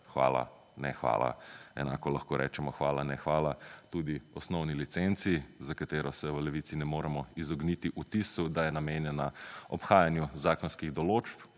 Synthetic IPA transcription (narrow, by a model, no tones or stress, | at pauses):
xʋa̰ːla̰ | nɛxʋa̰ːla̰ɛ̰na̰ːkɔlaxkoːɾʔɛ̰ːt͡ʃɛmɔxʋaːlanɛxʋaːlat̪ud̪iɔsnɔwnilit̪sent̪sizakat̪eːɾɔsɛʋəlɛʋit̪sinɛmoːɾɛmɔizɔɡnit̪iʔut̪isud̪ajɛnameːnjɛnaɔpxaːjanjuzaːkɔnskiɣd̪ɔloːt͡ʃp